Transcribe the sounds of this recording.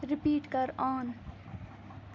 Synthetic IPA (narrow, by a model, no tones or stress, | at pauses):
ɾɪpiːʈkɐɾaːn